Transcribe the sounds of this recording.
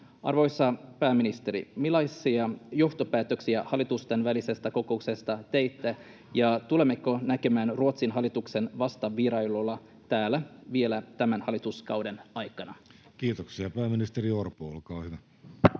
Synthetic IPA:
ʔɑ̰rʋo̞jsːɑpæːminist̪e̞ɾḭmilɑjsːiɑjo̞ht̪opæːt̪ø̞ksiæhɑlːˑit̪ust̪enʋælise̞st̪æko̞ko̞ukse̞st̪ɑt̪ejt̪ːæ | jɑt̪ule̞mːekːonæke̞mæːnruot̪sinɦɑlːˑit̪ukse̞nʋɑst̪ɑʋiɾɑilolːɑ | t̪æːlːæʋie̞læt̪æmænhɑlːˑit̪uskɑwde̞nɑjkɑnɑ | kiːt̪oksiɑpæːminist̪eɾiorpoolkɑːhyʋæ

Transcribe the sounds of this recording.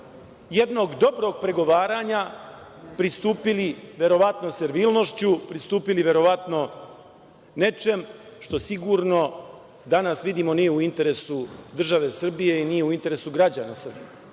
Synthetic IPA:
je̞d̪no̞ɡd̪o̞bɾo̞ɡ̚pɾe̞ɡo̞ʋaːɾaɲa | pɾist̪uːpiliʋe̞ɾo̞ʋat̪no̞seɾʋiːlˠno̞ʃt͡ɕupɾist̪uːpiliʋe̞ɾo̞ʋat̪no̞ | ne̞t͡ʃe̞mʃt̪o̞siɡuɾno̞ | d̪anasʋid̪iːmo̞nije̞uint̪e̞ɾe̞sud̪r̩ʒaʋe̞sr̩bije̞inije̞uint̪e̞ɾe̞suɡɾad͡ʑanasr̩bije

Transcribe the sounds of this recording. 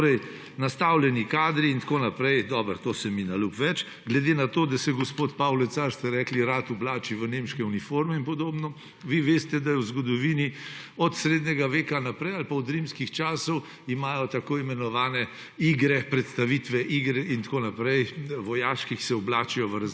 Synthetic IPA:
ɾɛj | nɐst̪aːwlɛnikaːd̪ɾiːnt̪koːnapɾɛjd̪ɔːbəɾt̪oːsɛminalupʋɛt͡ʃ | ɡlɛd̪eːnat̪oːd̪asɛɡɔspoːt̪pawlɛsaɾst̪ɛɾɛːkliɾat̪ɔblaːt͡ʃiʋənemʃkɛunifoːɾmɛinpɔd̪oːbnɔ | ʋiʋeːst̪ɛd̪ajɛwzɡɔd̪ɔʋini | ɔt̪sɾeːd̪ɲɛɡaʋeːkanapɾɛjalpaɔd̪ɾimskixt͡ʃaːsɔw | imaːjɔt̪akoːimɛnɔʋaːnɛ | iɡɾɛpɾɛt̪st̪aʋit̪ʋɛʔiɡɾɛint̪koːnapɾɛjʋɔjaːʃkiksɛɔblaːt͡ʃijɔʋəɾ

